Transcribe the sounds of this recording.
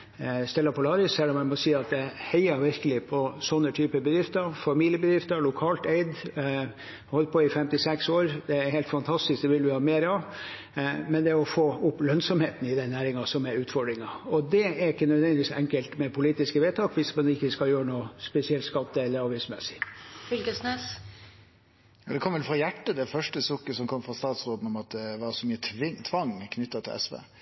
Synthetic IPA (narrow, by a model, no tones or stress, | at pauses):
st̪ɛlːɑpʰɔlɑːɾɪsɛlːɔmæɪmɔsiːɑt̪̚d̪ɛhæɪəɾʋɪɾkəlɪpʰɔsɔnːət̪ʰyːpəbəd̪ɾɪft̪əɾfɑmiːlɪəbəd̪ɾɪft̪əɾlʊkʰɑːlt̪eɪd̪ | hɔlt̪̚pʰɔɪfɛmt̪ɪsɛksoːɾd̪ɛæɾhɛɪt̪fɑnt̪ʰɑst̪ɪsk̚d̪ɛʋɪlʋɪhɑːmeːɾɑʋ | mɛnd̪ɛɔfoːʊpːlœnsɔmheːt̪n̩ɪd̪ɛnːæːɾɪŋɑsɔmɛɾʉːt̪fɔɖɾɪŋɑɔd̪ɛæɾɪkːənœd̪ʋɛnd̪ɪʋiːsɛ̰ŋkəlt̪mɛpʰʊliːt̪ɪskəʋeːt̪ʰɑːkʋɪsmɑnɪkːəskɑljøːɾənuːspɛsɪɛlt̪skɑt̪ːəɛlːəɾɑɾʋæɪsmɛsːɪ̥fʏlkəsnɛs | jɑːd̪ɛkʰɔmːʋɛlfɾɑjæʈːəd̪ɛfœʂʈəsʊkːəsɔmkʰɔmːfɾɑst̪ɑːt̪sɾoːd̪n̩ɔmɑt̪̚ɛʋɑːɾəsɔmyːət̪ʰɪŋt̪ʰʋɑŋkʰnʏt̪ːɑt̪ʰɪlɛ̰sʋḛː